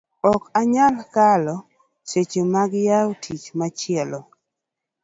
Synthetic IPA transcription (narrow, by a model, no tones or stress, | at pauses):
ɔkaɲalkalɔ | set͡ʃomaɡjaotʰit͡ʃmat͡ʃɪɛlɔ